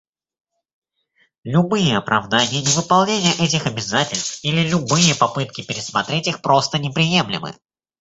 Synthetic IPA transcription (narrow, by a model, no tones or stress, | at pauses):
lʲʊbɨjəɐpɾɐvd̪anʲɪjənʲɪvɨpɐlˠnʲenʲɪjəʔɛt̬ʲɪxɐbʲɪzatʲɪlʲst̪filʲɪlʲʊbɨjəpɐpɨt̪̚kʲɪpʲɪɾʲɪsmɐt̪ɾʲetʲixpɾo̞st̪ənʲɪpɾʲɪjemlʲɪ̰mɨ̰